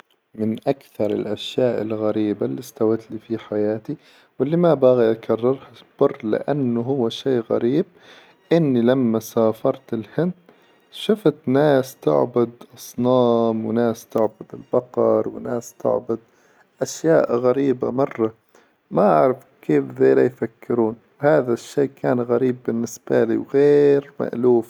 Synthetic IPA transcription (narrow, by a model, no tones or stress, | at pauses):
mɪnʔakθɑɾˤɪ̰lʔaʃjaːʔɪ̰lɣaɾiːbalːist̪awat̪liːfiħajaːt̪i | wɪlːimabaɣiʔakʰɑrˤːɑɾˤhab̥ʊrːlɪ̰ʔanːʊɦʊwːaʃeːɣa̰ɾiːb̚ | ʔɪnːilamːasaːfɑɾˤt̪ɪlhɪnd̪ | ʃʊft̪naːst̪ʊ̰ʕbʊd̪ʔɑsˤnɑːmwɪnaːst̪ʊʕbʊd̪ɪlbɑqɑɾˤwɪnaːst̪ʊ̰ʕbʊd̪̚ | ʔaʃjaːʔɣaɾiːbamɑrˤːɑ | maʔaʕɾˤɪf | keːfðeːlajfakːɪɾuːn | whaːðaʃːeːkʰaːnɣaɾiːbːɪnːɪsbalḭwɣeːɾma̰ʔluːf